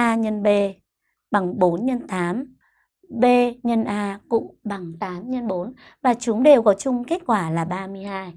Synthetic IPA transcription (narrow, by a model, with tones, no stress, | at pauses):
ʔaː˧ɲə˧nɓe˧ | ɓa˨˩ŋɓo˨˦nɲə˧nt̪aː˨˦m | ɓe˧ɲə˧nʔaː˧kʊ̰˧˨ɓa˨˩ŋt̪aː˨˦mɲə˧nɓo˨˦n | vaː˨˩t͡ɕʊ˨˦ŋ͡mɗe˨˩wkɔ˨˦t͡ɕʊ˧ŋ͡mke˦˥t̚kwaː˧˩laː˨˩ɓaː˧mɨ˧əjhaː˧j